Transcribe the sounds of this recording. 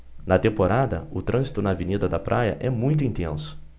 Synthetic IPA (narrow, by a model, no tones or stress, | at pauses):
nɐt̪ẽmpoɾad̪ɐʊt̪ɾɐ̃zit̪ʊnɐːvinid̪ɐd̪ɐpɾʔajɐ̰ʔɛmũj̃t̪ʊĩt̪ẽnsʊ̥